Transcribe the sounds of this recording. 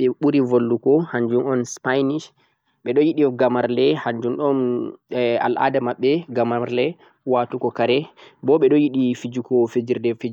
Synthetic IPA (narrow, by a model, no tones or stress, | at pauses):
ɓɛɓuɾivolːukɔhaɲd͡ʒumɔnspajniʃ | ɓɛɗɔjiɗiɡamaɾlɛhaɲd͡ʒumɗɔn | a̰lʔa̰damaɓːɛɡamaɾlɛ | waːtukɔkaɾɛbɔɓɛɗɔjiɗifid͡ʒukɔfed͡ʒiɾdɛfid͡ʒ